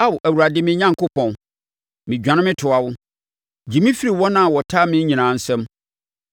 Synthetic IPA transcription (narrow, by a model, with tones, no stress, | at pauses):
a˦wʔæ˨wu˨ɾa˨dɪ˦mɪ̃˨˦ɲã˦ŋkʊ˦pʰɔ̃˨n | mɪ̃˨d͡ʑᶣã˨nɪ̃˦mɪ̃˦tʰʊ˨a˨wʊ˦ | d͡ʑi˨mĩ˦fi˦ɾi˨wɔ˦nã˦˨wɔ˨tʰa˦mɪ̃˦ɲĩ˨nãː˨˦n̩˦sɛ̃˦m